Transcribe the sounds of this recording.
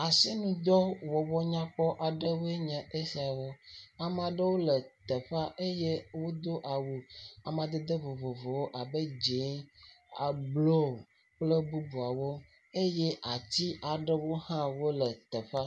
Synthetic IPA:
a˨se˦mĩ˨d̪ɔ˦wɔ˨wɔ˦ɲã˦k͡pɔ˦ʔa˨ɖə˦we˦ɲɛ̃˨ʔe˦si˦a˨wo˦a˨m˨a˨ɖə˦wo˦lə˨t̪ə˨ɸa˦ʔe˦je˦wo˦d̪o˦ʔa˨wu˨a˨m˨a˨d̪e˦d̪ə˦vo˨vo˨vo˨wo˦ʔa˨bə˦d͡ʒe˨˦ | a˨blo˦˨ | k͡plə˦bu˦bu˨a˨wo˦ | e˦je˦ʔa˨t̪i˦a˨ɖə˦wo˦hã˦wo˦lə˨t̪ə˨ɸa˦

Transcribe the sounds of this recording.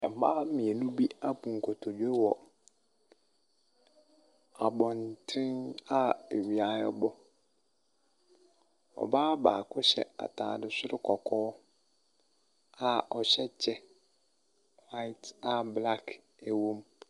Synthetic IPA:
ɛ˨m˨baː˦mĩ˨ɛ˨nũ˦bi˦a˦pũ˨ŋ̩˨kʰɔ˨tʰɔ˨d͡ʑo˦wɔ˨ | a˨bɔ̃˨ntʰɪ̃˦na˦e˨wi˨a˨ɛ˦bɔ˦ | ɔ̰˨baː˦baː˨kʰʊ˦ɕɛ̰˨a̰˨tʰa̰ː˨dɪ˨sʊ˦ɾɪ˦kʰɔ˨kʰɔː˦ | a˨ɔ˨ɕɛ˦t͡ɕʰɛ˦ | wa˦ɪ˦ta˦bla˦kʰ | e˨wo˦m

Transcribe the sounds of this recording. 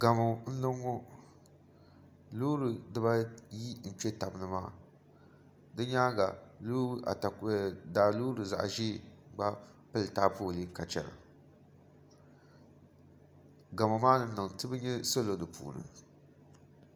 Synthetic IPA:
ɡa˨mo˨n̩˦lɨ˦ŋːo˦ | luː˦ɾɨ˨dɨ˦ba˦ji˦n̩˨pɛ˦ta˨bɨ˨nɨ˦maː˦ | dɨ˦ɲaː˦ɡa˨lu˦a̰˨ta˨daː˨luː˦ɾɨ˨za̰˨ʔʒiː˦ɡ͡ba˦pɨ˦ltaː˦poː˦˨li˦ka˨t͡ʃɛ̰˨la̰˨ | ɡa˨mo˨maː˦nɨ˦n̩˦lɨ˨ŋtɨ˦bɨ˦ɲɛ˦so˦lo˨dɨ˨pʰṵː˨nɨ̰˨

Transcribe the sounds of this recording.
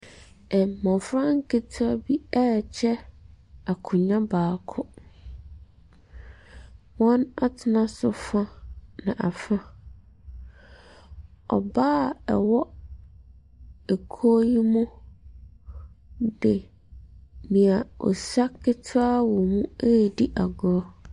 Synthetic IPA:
ɛ˨mɔ̃˨fɾã˦ŋ̩˦kʰe˦tʰʊ˦a˦bi˦ɛ˦t͡ɕʰɛ˦ | a˨kʰʊ̃˨ɲã˦baː˨kʰʊ˦ | wɔ̃˦na˦tʰɪ˨nã˦sʊ˦fã˦nã˨ʔa˨fã˦ | ɔ̰˨baː˦ɛ̰˨wɔ˦ | e˨kʰo˦ji˦mũ˦ | dɪ˨ | mĩ˨a˨ɔ̰˨sa˦kʰɪ˦tʰʊ˦a˦wɔ˨mũ˦e˦˨di˦ʔa˨ɡʊ˨ɾɔ˦

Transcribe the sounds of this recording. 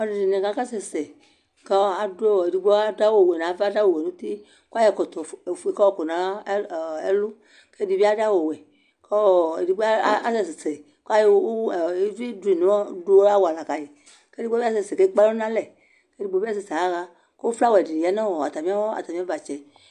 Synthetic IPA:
ɔ˨di˨di˨nẽ˨ɡa˨˦ka˦sɛ˨sɛ˨ | ka˦a˨de˨di˨ɡ͡bo˦a˦da˦wo˦˨we˨nã˨˦vda˦wo˨we˨nũ˦t̪i˦ | ku˦a˦jɛ˨kɔ˨t̪ɔ˨fe˨kɔ˦ɔ˦˨ko˨nã˨˦˨e˦lu˦ | ke˦di˨vi˦a˦da˦wo˨wɛ˨ | kɔ˦˨ḛ˨di˨ba˦sɛ˦˨se˨sɛ˨ | ka˦jo˦˨˦vi˦du˨˦i˨nũ˨˦ɔ˦do˦wa˦wo˨a˨la˨ka˨ji˨ | ke˦i˦ɡ͡bvi˦a˦sɛ˨se˨ke˦k͡pa˦lnã˦lɛ˨ | ke˦di˦ɡ͡bo˦i˦a˦s̬e˨se˨a˦ɣa˦ | ke˦o˦fla˦wɔ˨e˨di˨di˨a˦nã˦wɔ˨a˨t̪a˨mĩ˦a˦wɔ˦a̰˨t̪a˨mĩ˦a˦va˨t͡ʃɛ˨

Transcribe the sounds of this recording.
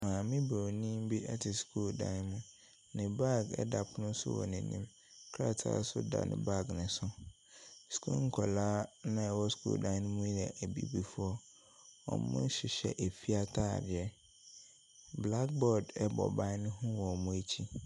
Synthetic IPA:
mãː˨mɪ̃˦bo˨nĩ˦m˦bi˦ɛ˦tʰɪ˨skʰu˦ldã̰˦n˦mʊ̃˦ | nɪ̃˨ba˦˨ɡɛ̰˦da˨pʰʊ˦nʊ̃˦sʊ̰˦wɔ̰˨nɪ̃˨nĩ˦m | kʰa̰˦tʰa̰ː˨˦sʊ̰˦da̰˨nʔɪ̰̃˨ba˦˨ɡnɪ̃˨sʊ˦ | skʰṵ˦ŋ̩˨˦kʰɔ˨laː˦nã˦˨wɔ˦skʰṵː˦ldã˦ñ˦mũ˦i˦ɾɛ˨ʔæ˨bḭ˨bi˨fu˦ɔ˦ | ɔ̰˨mʊ̰̃˦n˦ɕɪ˨ɕɛ̰˨ʔe˨fi˦a˦tʰa̰ː˦˨dɪ˨ɛ˦ | bla˦k̚bɔ˦˨dɛ˦bɔ̰˨bã˦nʊ̃˦ɦʊ̃˦wɔ˨mũ˦e˦t͡ɕʰi˦

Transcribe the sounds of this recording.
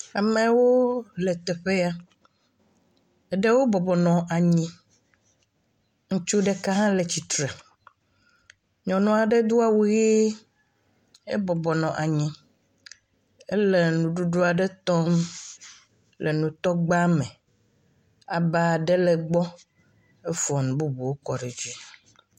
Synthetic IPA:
a˨mẽ˨wo˦lɛ˨t̪ɛ˨ɸe˦a˦ | ɛ˨ɖe˦wo˦bɔ˨bɔ˨nɔ̃˨ʔa˨ɲĩ˦ | ŋũ˦t͡ʃu˦ɖe˦ka˦ɦã˦le˨t͡ɕi˨t̪ɾe˨ | ɲɔ̃˨nɔ̃˨a˨ɖe˦d̪u˦a˦˨wu˦ɣe˦ | ḛ˦bɔ˨bɔ˨nɔ̃˨ʔa˨ɲĩ˦ | e˦le˦˨nũ˨ɖu˦ɖo˦a˨ɖɛ˦t̪ɔ˦m | lʔe˨nũ˨t̪ɔ˦ɡ͡ba˦me˨ | a˨ba˨ɖɛ˦lɛ˨ɡ͡bɔ˦ | e˦fɔ˨nũ˨bu˦bu˨wo˦kɔ˨ɖe˨d͡ʑi˦

